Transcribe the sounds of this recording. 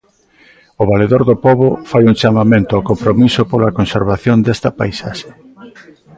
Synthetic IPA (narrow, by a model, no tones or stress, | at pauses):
oβaleðoɾðopɔβofajuŋt͡ʃamamẽnt̪ʊawkompɾomisopolɐkonseɾβaθjond̪est̪ɐpajsaʃe̥